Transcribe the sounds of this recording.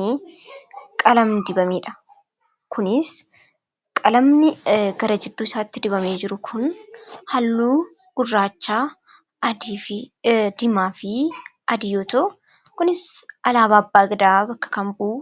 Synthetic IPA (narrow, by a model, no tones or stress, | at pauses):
iː | kʼɐlɐmnɪd̪ɪbɐmeːᶑɐ̥ | kʰʊnɪs | kʼɐlɐmnɪɡɐɾɐd͡ʒɪd̪ːuːsaːt̪ːɪd̪ɪbɐmeːd͡ʒɪɾʊkʰʊnhɐlːuː | ɡ̥ʊrːaːt͡ʃːaː | d̪fd̪ɪmaːfɪʔɐd̪ɪjoːt̪o | kʊnɪsʔɐlaːβaːɐbːaːɡɐd̪aːbɐkːɐ̥kɐmbuʔ